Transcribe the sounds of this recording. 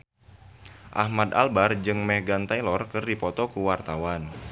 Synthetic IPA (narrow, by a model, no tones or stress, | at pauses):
ʔa̰hmad̪a̰lbard͡ʒɨŋmɛhɡant̪ajlɔrkɨrdipɔt̪ɔkuwart̪awan